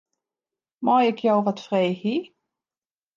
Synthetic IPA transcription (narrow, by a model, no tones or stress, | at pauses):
mɔjɪkʰjɔwʋətfrejhi